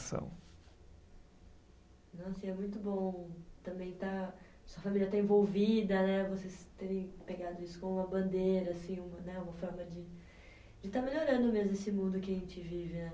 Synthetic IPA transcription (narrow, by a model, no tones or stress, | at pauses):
sɐ̰̃w̃ | nɐɔ̃w̃asĩɛmũj̃t̪ʊbõt̪ɐ̃mbẽj̃t̪a | ɐsuɐfamilʲjɐt̪aẽvowvid̪ɐnɛvosest̪eɾẽj̃peɡad̪ʊisʊ̥kõmũmɐbɐ̃nd̪eɾɐːsĩũmɐnɛũmɐfɔɾmɐd͡ʒɪ | d͡ʒɪt̪ameloɾɐ̃nd̪ʊmezmʊesɪmũnd̪ʊkɪɐʒẽnt͡ʃɪvivɪnɛ